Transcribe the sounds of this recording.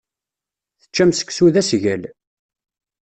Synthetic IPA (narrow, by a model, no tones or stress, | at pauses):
θə̥t͡ʃːæmsə̥ksuðæsʝæl